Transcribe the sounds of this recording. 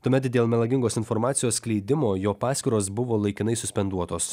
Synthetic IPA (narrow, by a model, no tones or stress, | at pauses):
t̪uːmʲɛt̪d̪ʲeːlˠmʲɛlˠɐɡʲɪŋɡoːsɪnfɔɾmɑːt̪sʲɪjoːsklʲɛɪd̪ʲɪmoːjoːpɑːsʲkʲɪɾoːs̬bʊʋoːlˠɐɪkʲɪnɐɪsʊsʲpʲɛnd̪uɔt̪oːs